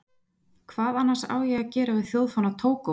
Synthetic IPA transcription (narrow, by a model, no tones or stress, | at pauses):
kʰvaːðanːasa̰ːwjɛɣacɛːɾavɪð̥θjowðfanat̪ʰoːwka